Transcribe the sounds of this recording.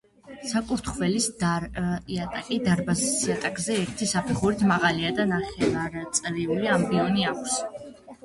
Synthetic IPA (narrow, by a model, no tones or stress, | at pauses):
sakʼuɾt̪ʰχvɛlisd̪aɾiat̪ʼakʼid̪aɾbazisiat̪ʼakʼzɛɛɾt̪ʰisapʰɛχuɾit̪ʰmaʁaliad̪anaχɛvaɾt̪sʼɾiuliambiɔniakʷʰs